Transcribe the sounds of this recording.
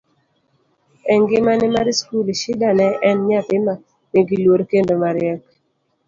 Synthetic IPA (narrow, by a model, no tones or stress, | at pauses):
ɛŋɡɪmanɪmaɾiskulʃɪdanɛʔɛnɲat̪ɪma | nɪɡilwoɾkendomaɾɪɛk